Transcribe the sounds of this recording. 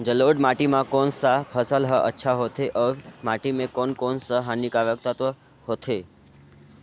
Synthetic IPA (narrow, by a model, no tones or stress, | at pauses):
d͡ʒəloɖmaʈimãkonsapʰəsəlɦəʔə̰tːʃʰaɦot̪ʰeʔəɾmaʈimẽkonkonsəɦanikaʋək̚t̪ət̪ə | ɦot̪ʰe